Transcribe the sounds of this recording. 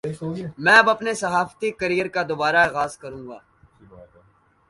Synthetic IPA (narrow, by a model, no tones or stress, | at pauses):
mɛ̃ːɐbɐpnesɐɦaːft̪ikɐɾijəɾkad̪oːbaːɾaaːɣaːzkɐɾũːŋɡa̰ː